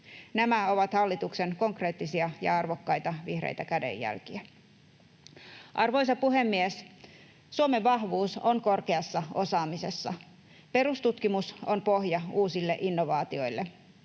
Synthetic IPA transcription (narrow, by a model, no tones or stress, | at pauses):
næmæo̞ʋɑt̪hɑlːit̪ukse̞nko̞ŋkre̞ːt̪ːisiɑjɑ̰ɑrʋo̞kːɑjt̪ɑʋihrḛjt̪ækæde̞̰jːæ̰lkiæ | ʔɑrʋo̞jsɑpuɦe̞mːies | suome̞ʋːɑɦʋuːsoŋko̞rkeɑsːɑo̞sɑːmise̞sːɑ̰ | pe̞ɾust̪ut̪kimusompo̞ɦjɑuːsilːe̞̰ʔinːo̞ʋɑːt̪io̞jlːe